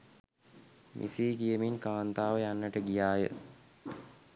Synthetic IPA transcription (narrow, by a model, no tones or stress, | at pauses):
mʔḭsiːɡijəminkaːnt̪aːʋəjanːəʈəɡijaːjə̰